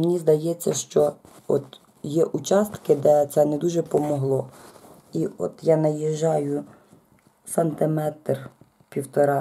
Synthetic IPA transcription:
menʲizd̪ɐjɛt͡sʲːɐʃt͡ʃɔ | ɔ̰t̪ | jɛʔʊt͡ʃɑst̪kɪd̪ɛt̪sɛnɛd̪uʒɛpɔmɔɦlˠɔ | iɔ̰t̪jɑnɐjɛʒːɑjʊ | sɐnt̪ɪmɛt̪r | pʲiwt̪ɔɾɑ

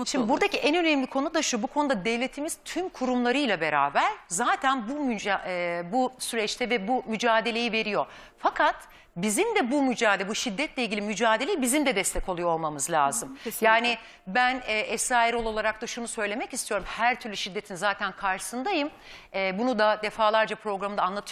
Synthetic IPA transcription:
ʃimd̪buɾd̪aciʔɛnø̞nɛmlʲikʰo̞nud̪aʃuobukʰo̞nud̪ad̪evlʲe̞t̪ʰimiz̥t̪ʰymkʰuɾumlˠaɾɯjlʲˠabe̞ɾa̰ːbæɾ̥zaːt̪ʰænbumy | busyɾɛt͡ʃt̪ʰɛvɛbumyd͡ʒaːd̪e̞lʲe̞jive̞ɾijo̞ | fakʰat̪ | bizimd̪ɛbumyd͡ʒaːdlʲɛbuʃid̪ːɛt̪lʲɛilʲɟilʲimyd͡ʒaːd̪e̞lʲejibizimd̪ɛd̪ɛst̪ʰɛko̞lˠujoolˠmamɯzlʲa̰ːzɯmjaːnɪ | bænɛːʔɛsaːiɾolˠo̞lˠaɾak̚t̪aʃunusø̞jlʲe̞mɛcist̪ʰijo̞ɾumhæɾt̪ʰyɾlʲyʃid̪ːe̞t̪ʰinzaːt̪ʰænkʰaɾʃɯ̥sɯnd̪ajɯm | ɛːbunud̪ad̪efaːlˠaɾd͡ʒapɾo̞ɡɾamɯd̪aːnlˠat̪ʰɯ

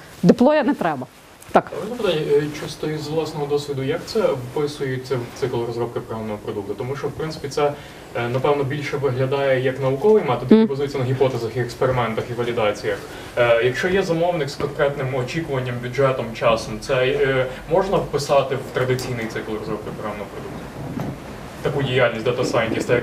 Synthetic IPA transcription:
d̪ɪplˠɔjɐnɛt̪ɾɛbɐ | t̪ɑkɔɐpɪt̪anʲːɛt͡ʃust̪ɔizʋlˠɑsnɔɦɔd̪ɔsʲʋʲid̪ʊjɐkt̪sɛwpɪsʊjʊt͡sʲːɐwt̪sɪklˠɾɔzɾɔp̚kɪpɾɐɦɔmnɔɦɔpɾɔd̪ukt̪ʊt̪ɔmuʃt͡ʃɔwpɾɪnsɪ̥pʲit̪sɛ | nɐpɛʋnɔbʲilʲʃɛʋɪɦlʲɐd̪ɑjɛjɐknɐʋʊkɔʋɪjmɑt̪ːɔd̪ɪkʲibɐzujɛt͡sʲːɐnɐɦʲipɔt̪ɛzɐxiɛkspeɾɪmɛnt̪ɐxiʋɐlʲid̪ɑt͡sʲijɐx | jɐkʃt͡ʃɔjɛzɐmɔwnɪkskɔnkɾɛt̪nɪmɔt͡ʃʲikʊʋɐnʲːɐmbʲuʐɛt̪ɔmt͡ʃɑsɔmt̪sɛmɔʒnɐwpɪsɑt̪ɪwt̪ɾɐd̪ɪt͡sʲijnɪjt̪sɪklˠʊɾɔzɾɔb̚kɪpɾɦamnɔɦɔpɾɔd̪uk̚t̪ʊ̥ | t̪ɐkudʲijalʲnʲisʲd̪t̪ɐsɑjnt̪ʲist̪ɛ

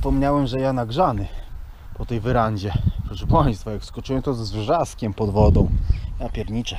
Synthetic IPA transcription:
pɔmɲawɛmʐɛjanaɡʐanɘ | pɔt̪ɛjvɘɾaɲd͡ʑɛpɾɔʂɛpaj̃st̪fɔjakskɔt͡ʂɘwɛmt̪ɔzvʐaskʲɛmpɔd̪vɔd̪ɔ̃w̃japʲjɛɾɲit͡ʂɛ

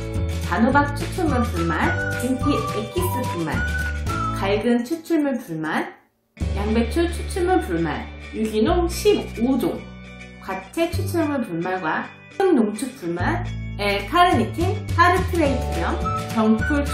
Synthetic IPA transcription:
tanobak̚t͡ɕʰut͡ɕʰumɯɭpuɭmaniŋtʰiek͈ʰis͈ɯpuɭma̰nkaɭɡɯnt͡ɕʰut͡ɕʰuɭmɯnpuɭman | jaŋbet͡ɕʰut͡ɕʰut͡ɕʰuɭmɯɭpuɭma̰njuɡinoŋɕʰibodoŋkwat͡ɕʰet͡ɕʰut͡ɕʰɯmɯɭpuɭmaɭɡwa | kʰɯŋnoŋt͡ɕʰuk̚puɭmanekʰaɾɯnitʰehaɾɯtʰɯɾetʰjʌmkjʌŋpʰuɭ

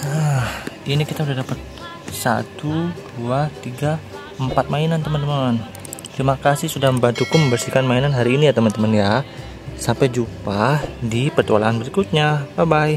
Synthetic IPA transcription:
ə | inikit̪audahdapət̪̚ | sa̰t̪ud̥uat̪iɡa | əmpat̪̚mainant̪əmənt̪əmən | t̪əɾimakasɪhsudahməmbant̪ukuməmbərsikanmainanɦaɾiːnijat̪əmənt̪əmənja | sampɛd͡ʒupadipərt̪ualaːnbəɾikut̪̚ɲapabaj

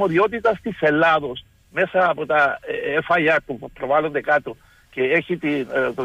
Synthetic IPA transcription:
oðjot̪̬it̪ast̪iselaðos | mesapot̪aeesfajat̪opɾoβalod̪ekat̪o | keexit̪i

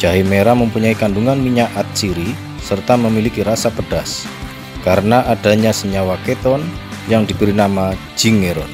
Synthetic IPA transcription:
d͡ʒ̥aɦimeɾaməmpuɲaikanduŋanmiɲaʔat̪̚siɾi | sərt̪aməmilikiɾasapəd̥as | kaɾənaʔad̥a̤ɲasəɲawaket̪ɔn | jaŋdibəɾinama | d͡ʒiŋeɾɔn

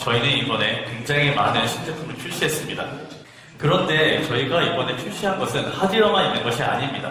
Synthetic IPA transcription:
t͡ɕʌinɯnibʌne̞kwe̞ŋd͡ʑaŋima̰nɯnɕʰind͡ʑepʰumɯɭt͡ɕʰuɭɕ͈iɦe̞s͈ɯmɲida̰ | kɯɾʌndet͡ɕʌiɡaibʌne̞t͡ɕʰuɭɕ͈iɦanɡʌsʰɯnhadiɾʌŋainːɯnɡʌɕʰia̰ɲimɲida̰

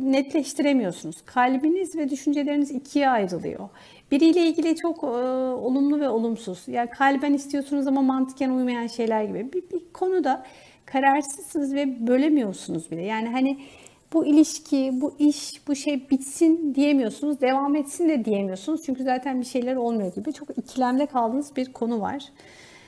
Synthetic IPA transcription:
nɛt̪lʲɛʃt̪ʰiɾe̞mijo̞ɾsunuz̥kʰaːlʲbinizvɛd̪yʃynd͡ʒe̞lʲe̞ɾinizicʰijajɾɯlˠɯ̰jo̞̰ | b̥iɾijlʲeilʲɟʲilʲit͡ʃʰo̞kːo̞lˠumlˠuvɛo̞lˠumsuz̥jaːnkʰaːlʲbænist̪ʰijo̞sunuzamanmant̪ʰɯ̥kcænujmajanʃe̞jlʲæɾɟibibibikʰo̞nud̪a | kʰaɾaɾsɯzːɯnɯzvɛbø̞lʲe̞mijo̞ɾsunuzbilʲɛjaːniɦani | b̥uilʲiʃcʰibuʔiʃb̥uʃe̞jbit̪sind̪ije̞mijo̞ɾsunuzd̪e̞vamɛt̪sind̪ɛd̪ije̞mijo̞ɾsunuz̥t͡ʃʰyɲcʰyzaːt̪ʰænbiʃe̞jlʲæɾo̞lˠmajoɟibit͡ʃʰo̞kicʰilʲæmlʲɛkʰalˠd̪ɯːnɯzbiɾkʰo̞nuva̰ɾ̥

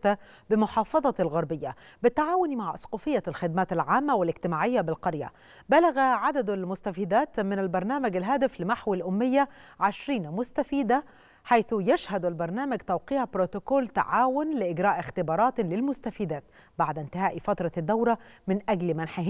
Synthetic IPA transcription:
t̪a | bɪmʊħɑːfɑðˤɑlɣɑɾˤbɪjːabɪt̪ːaʕaːwʊnimaʕʔɑsˤquːfɪjːalxɪd̪̚mæːt̪ɪlʕaːmːæwɪlɪɡt̪ɪmaːʕɪjːabɪlqɑɾjæ̰ | bælæɣæʕad̪æd̪ælmʊst̪æfiːd̪æːt̪mɪnælbɑɾˤnæːmæɡælɦæːt̪ɪflɪmaħwilʔʊmːɪjːæʕeʃɾiːnmʊst̪afiːd̪æ | ħajθjæʃhæd̪ælbɑɾˤnæːmæɡt̪æwqiːʕbɾot̪okoːlt̪a̰ʕaːwʊnlɪʔɪɡɾɑːʔɪxt̪ɪbɑːɾˤɑːt̪lɪlmʊst̪æfiːd̪æːt̪ | baʕd̪ɪnt̪ɪhæːʔifɑt̪ɾˤɑd̪ːawɾɑmɪnʔæɡlmænħa

